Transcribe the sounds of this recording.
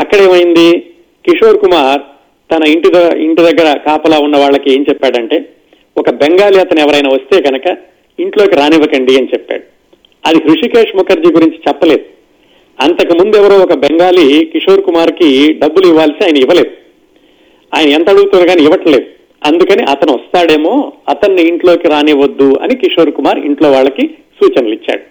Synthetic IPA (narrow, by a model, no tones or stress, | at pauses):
ɐkːɐɽeːmɐjind̪i | kiʂo̞ːɾkumaːɾ | t̪ɐnɐiɳʈiiɳʈid̪ɐɡːɐɾɐkaːpɐlaːunːɐʋaːɭːɐkie̞ːɲt͡ʃɛpːaːɽɐɳʈe̞ː | ɔkɐbeŋɡaːliɐt̪ɐnɛʋɐɾɐjɐnaːʋɐst̪e̞ːɡɐnɐkɐ | iɳʈlo̞ːkiɾaːniʋɐkɐɳɖiɐnit͡ʃɛpːa̰ːɽu | ɐd̪ihɾuʂikeːʂmukɐɾd͡ʒiɡuɾiɲt͡ʃi̥t͡ʃɛpːɐle̞ːd̪u | ɐnt̪ɐkimund̪uɛʋɐɾoːɔkɐbeŋɡaːlikiʂoːɾkumaːɾkiɖɐbːuliʋːaːlɐsiaːjɐnɐiʋɐle̞ːd̪u | aːjɐnɐɛnt̪ɐɐɽuɡut̪unːɐɡaːniiʋɐʈɐle̞ːd̪u | ɐnd̪ukɐniʔɐt̪ɐnuʋɐst̪aːɽe̞ːmo̞ːɐt̪ɐnːiːɳʈloːkiɾaːniʋɐd̪ːuɐ̰nikiʂo̞ːɾkumaːɾḭɳʈlo̞ːʋaːɭːɐkisuːt͡ʃɐnɐlit͡ʃːa̰ːɽu